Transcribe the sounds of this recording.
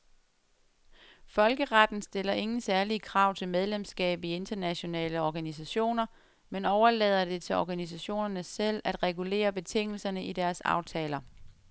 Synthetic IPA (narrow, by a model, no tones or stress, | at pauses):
fɒ̽lɡ̥əʁɑd̥n̩sd̥e̝lɐʔe̝ŋn̩sæɐliəkʰʁɑ̈ʊ̰t͡sʰe̝lmeð̞ˠlemsɡ̥ɛ̰ːb̥ie̝nd̥ɐnæɕo̝nɛ̰ːləɒɡ̥ænis̬æɕo̝̰ːnɐ | menɒʊɐlɛːð̞ˠɐd̥e̝t͡sʰe̝lɒɡ̥ænis̬æɕo̝̰ːnɐnəsel̰æd̥ʁɛɡ̥ule̝̰ːɐb̥e̝t͡sʰe̝ŋ̰l̩sɐnəʔid̥æɐsɑ̰̈ʊt͡sʰɛːlɐ